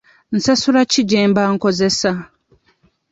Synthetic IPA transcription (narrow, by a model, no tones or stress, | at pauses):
n̩sasulaciɟeːmbaŋko̞ze̞sa